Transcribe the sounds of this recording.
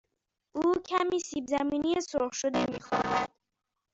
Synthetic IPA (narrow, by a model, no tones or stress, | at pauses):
ʔuːcʰæmiːsiːbzæmiːnijesoʁʃod̪emiːxɒ̰ːɾæd̪̥